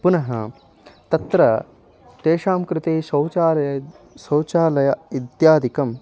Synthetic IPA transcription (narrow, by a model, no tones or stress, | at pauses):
punɐɦɐ̰ | t̪ɐt̪ɾɐ | t̪eːʃaːmkɾɪt̪eːsɐwaːljɐ | sɐwt͡ʃaːlɐjɐid̪jaːd̪ʱikɐm